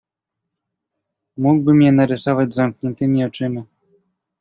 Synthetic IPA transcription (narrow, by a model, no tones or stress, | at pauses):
muɡbɘmjɛnaɾɘsɔvad͡ʑzamkɲɛnt̪ɘmʲiɔt͡ʂɘmʲi